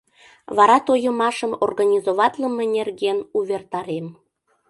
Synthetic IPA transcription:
βɑɾɑt̪ojəmɑʃəmorɣɑnʲizoβɑt̪ləmenʲerɣenuβʲert̪ɑɾem

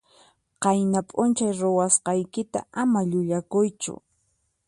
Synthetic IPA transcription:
qɑjnapʼʊnt͡ʃajɾowasqɑjkɪt̪a̰amaʎʊʎakʊjt͡ʃʊ̰

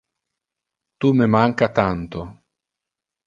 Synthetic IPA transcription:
t̪umemaŋkat̪ant̪o

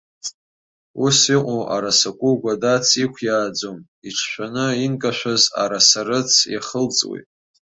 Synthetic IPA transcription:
usiqʷʼoʔa̰ɾasakʷʼuɡʷadat͡sʰikʷʰjaːd͡zom | iʈ͡ʂʰʃᶣʷanɨinkʼaʃᶣʷaza̰ɾasaɾɨt͡sʰja̰χəlt͡sʼwḭtʼ

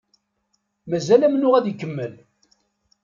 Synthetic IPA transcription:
mæzælæmnʊʁæðjkːəmːəl

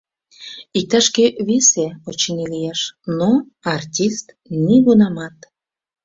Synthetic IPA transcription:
ik̚t̪ɑʃkeβeseot͡ɕenilijeʃno | ɑrtʲist̪ | niɣunɑmɑt̪

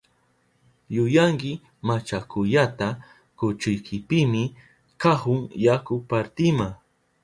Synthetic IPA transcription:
jʊjaŋkɪ | mat͡ʃakʊʎat̪a | kʊt͡ʃʊjkʰɪpɪmɪ | kahʊŋjakʊpaɾt̪ɪma

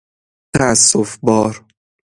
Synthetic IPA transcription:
t̪ʰæːsːofbɒːɾ

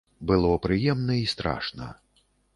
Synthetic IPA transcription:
bɨlˠɔpɾɨjɛmnɐist̪ɾa̰ʂnɐ̰

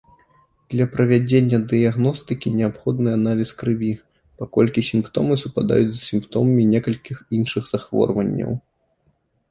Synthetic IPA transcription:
d̪lʲɐpɾɐvʲad͡zʲenʲːɐd̪ɨjaɣnɔst̪ɨkʲinʲɛapxɔd̪nɨanalʲiskɾɨvʲi | pakɔlʲkʲisʲimpt̪ɔmɨsupad̪a̰jud͡zʲzɐsʲimpt̪ɔmɐmʲinʲɛkɐlʲkʲixinʂɨɣz̥axvɔ̰rvɐnʲːɐ̰w

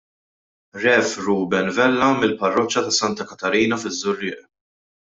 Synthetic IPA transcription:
ɾɛfɾuːbɛnvɛlːɐmɪlpɐrːɔt͡ʃːɐt̪ɐsɐnt̪ɐkɐt̪ɐɾiːnɐfɪzːʊrːɪːʔ

